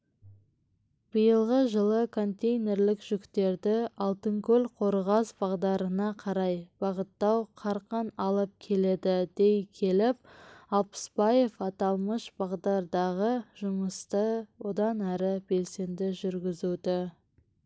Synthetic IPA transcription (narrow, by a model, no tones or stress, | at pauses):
b̥əjəlˠʁəʒəlˠəkʰo̞nt̪ʲe̞jne̞ɾlɪkʒ̥ʏkt̪e̞ɾd̪ɪɑlˠt̪əŋkʰɵlʲqʰo̞ɾʁɑsbɑʁd̪ɑɾənɑqʰɑɾɑjb̥ɑʁət̪ːɑwqʰɑɾqənɑlˠəp̚kʲʰe̞le̞d̪ɪd̪̥e̞jkʲʰe̞lɪp̚ɑlˠpə̥sbɑje̞fɑt̪ɑlˠməʃb̥ɑʁd̪ɑɾd̪ɑʁəʒ̥ʊməst̪əwo̞d̪ɑnæɾɪbe̞lse̞nd̪ɪʒʏɾɡʲɪzud̪ɪ